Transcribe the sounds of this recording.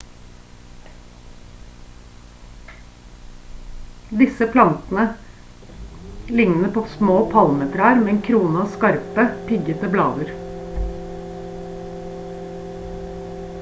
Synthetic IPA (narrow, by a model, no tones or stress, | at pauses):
d̪ɪsəpʰlɑnt̪n̩ə | lɪŋnəpʰoːsmoːpʰɑlmeːt̪ɾəæɾmeːeːnkʰɾuːnəɑːskɑɾpəpɪɡət̪əblɑːd̪ʉɾ